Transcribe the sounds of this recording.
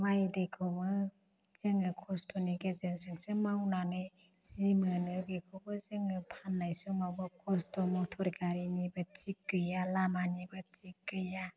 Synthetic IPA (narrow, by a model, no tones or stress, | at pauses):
majdekʰɯwbɯ | z̥eŋɯkʰɔstɔniɡezeŋsɯŋsɯmawnanɯj | z̥imɯnɯbekʰɔwbɯzɯŋɯpʰanːajsɔŋawbakʰɔstɔmɔtʰɔɾkaɾinibɯt͡ʃikːɯjalamanibɯt͡ʃikːɯja